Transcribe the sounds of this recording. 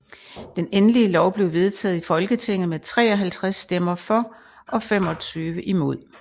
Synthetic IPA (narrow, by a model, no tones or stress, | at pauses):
d̥enenliəlɒʊb̥le̝ʊʋe̝ð̞ˠt͡sʰɛ̰ːðˠifɒ̽lɡ̥ət͡sʰe̝ŋ̰ð̩ˠmet͡sʰʁɛ̰ːɒ̽ɦælt͡sʰʁasːd̥em̰ɐfɒ̽ | ʔɒ̽fem̰ɒ̽t͡sʰyːʋəʔimo̝ð̞̰ˠ